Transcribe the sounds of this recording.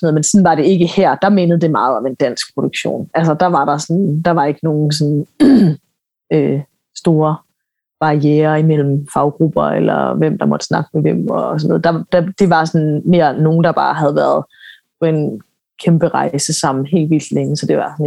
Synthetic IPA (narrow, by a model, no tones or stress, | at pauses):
snoð̩ˠmensɒ̽nʋɑ̈ɾ̥e̝e̝ɡ̥əhæɐ̰d̥ɑ̈me̝ːnəð̞̩ˠd̥e̝mɑ̈ːð̞̩ˠɒ̽me̝nd̥æn̰sɡ̥̚pʰʁo̝ɾ̥uɡ̥ɕo̝̰ːnæls̬əd̥ɑ̈ʋɑ̈ɾ̥ɑ̈sɒ̽nd̥ɑ̈ʋɑ̈e̝ɡ̥əno̝ːn̩s̬ɔ̽n | øː | sd̥o̝ːɐ | b̥ɑ̈ʁieːɐimel̰m̩fɑ̈ʊɡ̥ʁub̥ɐḛlɐ̰ʋem̰d̥ɑ̈mɒ̽d̥ə̥snɑ̈ɡ̥əmeʋem̰ɒ̽sɒno̰ð̩ˠd̥ɑ̈d̥ɑd̥e̝ʋɑ̈sɒnme̝ɐ̰no̝ːn̩d̥ɑ̈b̥ɑ̈ːɦæð̞ˠʋæɐð̞ˠ | pʰɒ̽e̝n | kʰemb̥əʁɑ̈ɪɪsəsɑ̈m̰n̩ɦe̝̰ːlʋild̥leŋəsɒ̽d̥e̝ʋɑ̈sɒn